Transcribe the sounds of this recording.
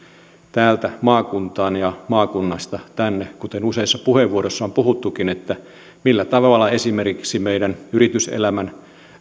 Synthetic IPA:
t̪æːlt̪æmɑːkunt̪ɑːnjɑmɑːkunːɑst̪ɑt̪ænːekut̪enuseisːɑpuheʋːuoɾosːɑompuhut̪ːukinet̪ːæ | milːæt̪ɑʋʋɑlːɑesimerkiksimeidænyɾit̪ysḛlæmæn

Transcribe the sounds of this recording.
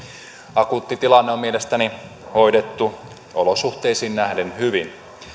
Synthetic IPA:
ɑkut̪ːit̪ilɑnːeo̞mielest̪æni | ho̞idet̪ːu | o̰losuht̪e̞jsiːnnæhdenhyʋin

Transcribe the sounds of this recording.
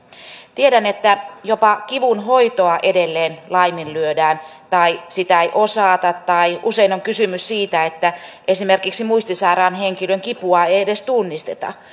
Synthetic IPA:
t̪ieɾænet̪ːæjopɑkiʋunhoit̪oɑʔedelːeːnlɑiminlyødæːnt̪ɑisit̪æeiʔosɑːt̪ɑt̪t̪ɑiʔuseinoŋkysymyssiːt̪æet̪ːæʔesimerkiksimuist̪isɑirɑːnheŋkiløŋkipuɑeiedest̪unːist̪et̪ɑ̰

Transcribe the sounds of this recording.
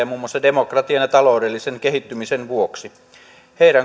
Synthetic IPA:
ɑmuːmːˑosːɑde̞mokrɑt̪iɑnjɑt̪ɑlo̞wdelːisenke̞ɦit̪ːymisenʋuoksi | heiɾæŋ

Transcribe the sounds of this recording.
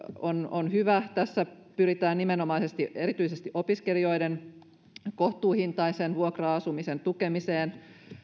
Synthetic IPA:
ononhyʋæt̪æsːæpyɾit̪æːnnimeno̞mɑisest̪iʔeɾit̪yisest̪iʔo̞piskelio̞jden | koht̪uːhint̪ɑisenʋuokrɑɑsumisent̪ukemiseːn

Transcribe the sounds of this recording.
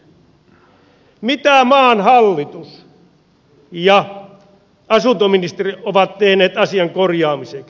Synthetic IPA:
mit̪æmɑːnhɑlːit̪us | jɑ | ɑsunt̪ominist̪eriʔoʋɑt̪t̪ehneːt̪ɑsiɑŋkorjɑːmisek

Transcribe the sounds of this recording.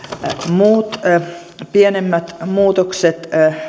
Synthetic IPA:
muːt̪ | pienemːæt̪muːt̪okset̪

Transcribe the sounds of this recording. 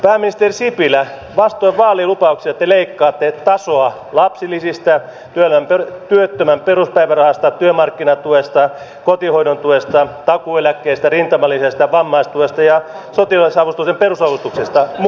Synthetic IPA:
pæːmːinist̪erisipilæ | ʋɑst̪oiʋʋɑːliːlupɑuksiɑt̪ːeleikːɑːt̪ːet̪ɑsoɑ | lɑpsilːˑisist̪æ | t̪yølææmpet̪yøt̪ːømæmperuspæiʋærɑhɑst̪ɑt̪yømɑrkːinɑt̪uest̪ɑ | kot̪ihoinont̪uest̪ɑt̪ɑkuelækːeist̪ærint̪ɑmɑlːisest̪ɑʋɑmːɑist̪uest̪ɑjɑ | sot̪ilɑisɑʋust̪uksemperusɑʋust̪uksest̪ɑm

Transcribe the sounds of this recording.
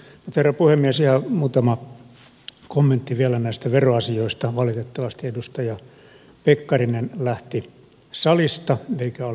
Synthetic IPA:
mut̪herːɑpuhemːiesihɑmuːt̪ɑmɑ | komːent̪ːiʋiælænæist̪æʋeroɑsioist̪ɑʋɑlit̪et̪ːɑʋɑst̪iedust̪ɑjɑ | pekːɑrinenlæht̪i | sɑlist̪ɑeikæo

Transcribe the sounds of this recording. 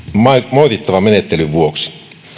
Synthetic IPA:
mmoit̪it̪ːɑʋɑmenet̪ːelyʋʋuoksi̥

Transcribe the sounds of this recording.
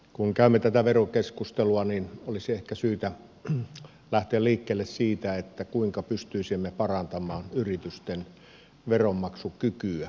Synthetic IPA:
kuŋkæˑymːet̪æt̪æʋerokeskust̪eluɑninolisiehkæsyːt̪æ | læht̪eælliːkːeːlːessiːt̪æet̪ːækuiŋkɑpyst̪yisimːepɑrɑnt̪ɑmˑɑːnyrit̪yst̪en | ʋeromːɑksukykyæ

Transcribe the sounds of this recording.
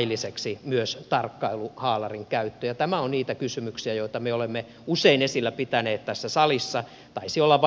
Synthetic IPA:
ilːiseksimyøst̪ɑrkːɑiluhɑːlɑriŋkæyt̪ːøjɑt̪æmæonniːt̪ækysymyksiæjoit̪ɑmeolemːe | useinesilːæpit̪æneːt̪t̪æsːæsɑlisːɑ | t̪ɑisiolːɑʋ

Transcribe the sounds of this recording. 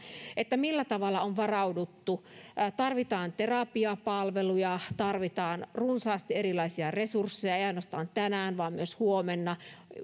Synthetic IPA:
ʔet̪ːæmilːæt̪ɑʋɑlːɑonʋɑrɑudut̪ːut̪ɑrʋit̪ɑːnt̪erɑpiɑpɑlʋelujɑt̪ɑrʋit̪ɑːnrunsɑːst̪ierilɑisiɑresursːejɑejɑinost̪ɑːnt̪ænæːnʋɑːmmyøshuomenːɑ

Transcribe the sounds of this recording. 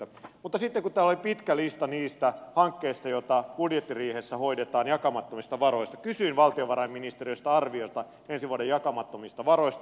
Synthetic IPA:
mut̪ːɑsit̪ːekut̪t̪æːlolipit̪kælist̪ɑniːst̪æhɑŋkːeist̪ɑjot̪ɑb̥udjet̪ːiriːhesːæhoidet̪ɑːnjɑkɑmɑt̪ːomist̪ɑʋɑɾoist̪ɑkysyinʋɑlt̪ioʋɑɾɑimːinist̪eriost̪ɑɑrʋiost̪ɑ | ensiʋuɑdejjɑkɑmɑt̪ːomist̪ɑʋɑroist̪

